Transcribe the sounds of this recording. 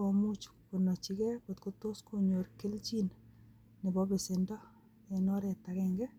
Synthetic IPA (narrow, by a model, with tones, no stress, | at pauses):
omu˦t͡ʃko˨nɔ˨t͡ʃi˦kɛ˦ko˨t̪ko˦to˦skoɲo˨ɾke˦lt͡ʃin | nɪ˨bɔ˦be˨se˨ndɔ˦ | e˨nɔ˦ɾɛ˨ta˨kɛŋɡɛ˦